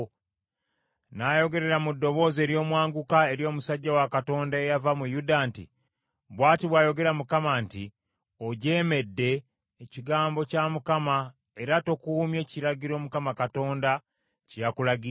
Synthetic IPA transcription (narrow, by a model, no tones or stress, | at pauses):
najo̞ɡe̞ɾe̞ɾamudːo̞βo̞ze̞ːɾjo̞ːmwaːŋɡukae̞ɾjo̞ːmusaɟːawakato̞ːndaejavamujudantḭ | βwaːtiβwaːjo̞ɡe̞ɾamukamanti | oɟe̞ːme̞dːe̞ː | ciɡaːmbo̞camukama | e̞ɾato̞kuːmje̞ːciɾaɟiɾo̞ːmukamakato̞ːnda | cijakulaɡi